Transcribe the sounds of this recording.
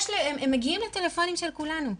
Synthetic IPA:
ʃlemːæɡiiːmlet̪ːelefoːnimeʃælkulænu

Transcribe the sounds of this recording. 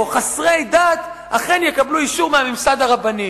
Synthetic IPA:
χasʁejdat̪ | ʔaχe̞njekabluiʃuʁmehamimsad̪aʁabani

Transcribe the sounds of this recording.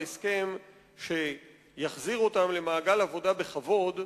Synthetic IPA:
eske̞m | ʃe̞ | jaχziʁo̞tamle̞maːɡalavo̞dabe̞χavo̞d

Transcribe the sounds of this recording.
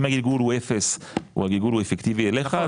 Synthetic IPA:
maɡilɡulhuʔefes | ṵhaɡilɡulhuefekt̪ivieleχa

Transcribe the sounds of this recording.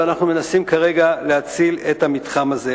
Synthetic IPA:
anaχnume̞nasimkaʁe̞ɡaleat͡siletamitχamaze

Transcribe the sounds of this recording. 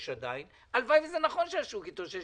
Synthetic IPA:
ʃad̪ain | alvajvezenaχo̞nʃeaʃukit̪oʃe

